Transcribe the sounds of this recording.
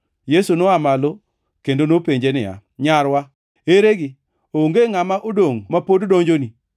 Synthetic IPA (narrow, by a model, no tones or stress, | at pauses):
jesunoamalo | kendonopeɲd͡ʒenɪja̰ | ɲaɾwa | eɾeɡɪ | ooŋɡeŋamaʔodoŋmapoddoŋd͡ʒoni